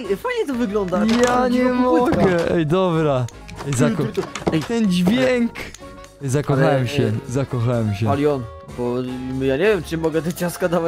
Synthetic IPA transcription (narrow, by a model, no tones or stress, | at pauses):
fajɲɛt̪ɔvɨɡlɔnd̪ajaɲɛmɔɡɛʔɛjd̪ɔbɾa | ɛjzak̪ɛjt̪ɛnd͡ʑvʲjɛŋk | zakɔxawɛmɕɛzakɔxawɛmɕɛalʲjɔn | bɔjaɲevʲjɛmt͡ʂɨmɔɡɛt̪ɛt͡ɕaskad̪ava